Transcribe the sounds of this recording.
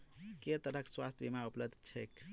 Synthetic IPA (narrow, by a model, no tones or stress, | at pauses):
ket̪əɾəkswast̪ʰjbimaupləd̪ʱt͡ʃʰɛk